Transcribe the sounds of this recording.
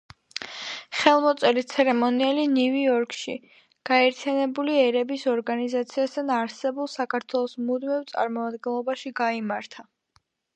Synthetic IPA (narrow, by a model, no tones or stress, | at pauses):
χɛlˠmɔt̪sʼɛɾit̪sʰɛɾɛmɔniɛliniviɔɾkʼʃḭ | ɡ̥aɛɾt̪ʰijanɛbuliɛɾɛbisɔɾɡanizat̪sʰiast̪ʰanaɾsɛbulˠsakʰaɾt̪ʰwɛlˠɔsmud̪mɛvt̪sʼa̰ɾmɔmad̪ɡɛnlˠɔbaʃiɡaimaɾt̪ʰa